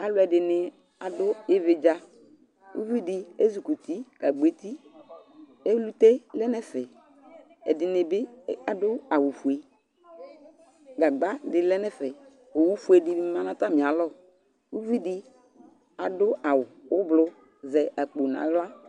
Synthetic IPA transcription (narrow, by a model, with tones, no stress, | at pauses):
a˨lʊ˦ɛ˨dɪ˨nɪ˨ | a˨dʊ˦ɪ˦vɪ˨d͡ʒa˦ | ṵ˦vi˦dɪ˦e˦zu˨ku˨ti˦ka˨ɡ͡be˨ti˦ | e˦lu˦te˦lɛ˦nɛ˦fɛ˨ | ɛ̰˨dɪ˨nɪ˨bɪ˦a˨dʊ˦a˨wu˨fu˨e˨ | ɡa˨ɡ͡ba˦dɪ˨lɛ˦nɛ˦fɛ˨ | o˨wu˦fu˦e˨dɪ˨˦mã˨˦nã˦ta˦mɪ˨a˨lɔ˦˨ | u˦vi˦dɪ˦ | a˨dʊ˦a˨wʊ˨ʊ˦blʊ˦ | zɛ˨ʔa˨k͡po˨n˨a̰˨˦lʊ˦a˦